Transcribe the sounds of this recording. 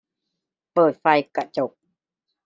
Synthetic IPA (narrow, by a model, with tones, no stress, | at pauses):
pɤː˨˩t̪̚fa˧jka˧t͡ɕo˨˩p̚